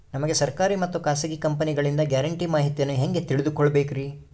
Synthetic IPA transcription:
nɐmɐɡe̞sɐɾkaːɾimɐt̪ːukaːsɐɡikɐmpɐniɡɐɭind̪ɐɡɐɾɐɳʈimaːɦit̪jɐnːuɦe̞ŋɡe̞t̪iɭid̪ukɔɭːɐbeːkɾi

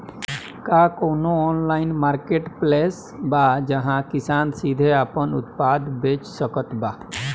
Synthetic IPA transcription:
kakoːnoɔːnlaːɪnmaːɾkeʈpleːs | bad͡ʒəɦãkɪsaːnsid̪ʱeaːpənʊ̰t̪̚paːd̪beːt͡ʃsəkət̪baː

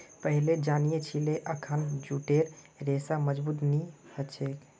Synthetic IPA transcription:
pəɦiled͡ʒanijet͡ʃʰileʔəkʰənd͡ʒuʈeɾ | ɾesaməd͡ʒbuːt̪nihət͡ʃʰek

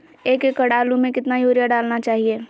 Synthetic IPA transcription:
eːkekːəɽaːlũmẽkɪt̪najoːɾjaɖaːlnat͡ʃaːɦieː

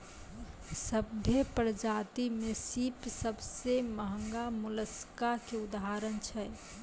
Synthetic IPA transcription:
səbʱjepɾəd͡ʒat̪imesipsəbseməɦəŋɡamuləskaɦkeud̪aɦaɾənt͡ʃʰɛ

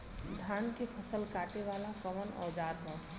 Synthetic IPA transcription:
d̪ʱaːnkepʰɐsəlkaːʈeʋaːlakɐmənɔ̰ːd͡ʒaːɾɦõ

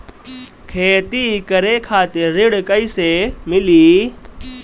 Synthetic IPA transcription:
kʰeːt̪ikɐɾekʰaːt̪eɾɪɽkəisemɪliː

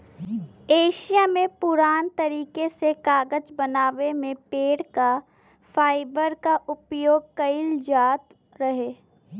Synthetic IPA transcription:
eːʃijamẽpʊɾaːnt̪əɾiːkesekaːɡəd͡ʒbənaːʋemẽpeːɽka | fʰaːɪbəɾkaʔʊpjoːɡ̚kəɪld͡ʒaːt̪ | ɾɐɦeː

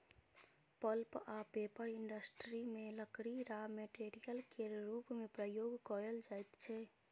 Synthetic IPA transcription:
pəlpapepəɾɪɳɖəsʈɾimẽləkɽiɾameʈeɾijəlkeɾupmepɾəjoːɡkɔɾəld͡ʒajt̪t͡ʃʰɛ

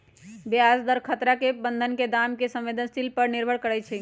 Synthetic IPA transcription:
beasd̪əɾkʰət̪ɾakebənd̪ʱənked̪amkesə̃mʋed̪ʱənsʈilpəɾniɾbʱəɽkəɾɛt͡ʃʰɛ

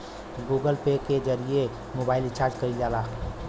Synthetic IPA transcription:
ɡuɡəlpeked͡ʒəɾie | mobaɪlɪt͡ʃʰaːɾd͡ʒkəid͡ʒala

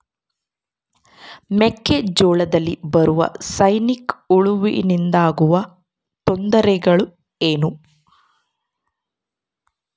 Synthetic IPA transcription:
mekːed͡ʒɔːɭɐd̪ɐlːibɐɾuʋɐ̰sɐjnikuɭuʋḭnind̪aːɡuʋɐ | t̪ɔnd̪ɐɾɛɡɐɭu | eːnu

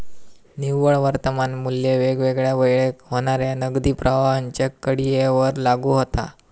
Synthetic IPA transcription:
niwəɭʋəɾt̪əmanmuljeʋeɡʋeɡɭjaʋəjɭekɦoɽ̃aɾjanəɡd̪iːpɾʔəʋaɦaɲt͡ɕjakəɽijeʋəɾlaɡuːɦot̪a̰

